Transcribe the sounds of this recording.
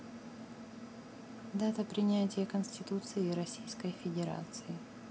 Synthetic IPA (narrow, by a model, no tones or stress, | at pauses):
d̪at̪əpɾʲɪnʲætʲɪjəkənʲsʲtʲɪt̪ut̪sɨɪɾɐsʲijskəjfʲɪdʲɪɾa̰t̪sɨɪ